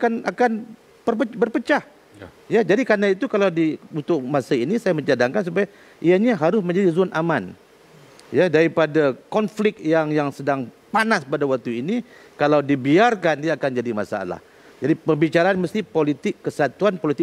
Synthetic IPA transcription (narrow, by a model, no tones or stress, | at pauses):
akana̰kan | bərpəbərpət͡ʃah | jad͡ʒadikanait̪ukalawdiunt̪ʊk̚masəinisajaməɲd͡ʒadaŋkans̬upaja | ʔiaɲaɦaɾʊs̬mə̃ɲd͡ʒadizʊnʔaman | jadaɾipadakɔnflɪkjaŋjaŋsədaŋ | panaspadawak̚t̪uinikalawdibiarkandiaːkand͡ʒadimasa̰la̰h | d͡ʒadipərbit͡ʃaɾaanməst̪ipolit̪ɪkːəsat̪uanpolit̪ɪ